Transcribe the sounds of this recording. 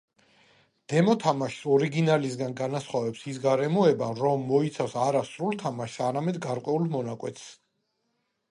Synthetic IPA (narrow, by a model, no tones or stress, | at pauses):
d̪̥ɛmɔt̪ʰamaʃi̥sɔɾiɡinalisɡanɡanasχwavɛpsisɡaɾɛmɔɛbaɾɔmːɔit̪sʰavsaɾasɾulˠt̪ʰamaʃsaɾamɛd̪ɡaɾqʼwɛulˠmɔnakʼwɛt̪ʰs